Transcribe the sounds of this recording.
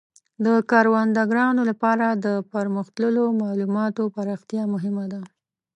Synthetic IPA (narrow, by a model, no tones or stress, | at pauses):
d̪əkɑɾwand̪aɡɾɑnolapɑɾad̪əpaɾmʊxt̪ləlomɑlumɑt̪opaɾɑxt̪jɑmʊɦɪmad̪a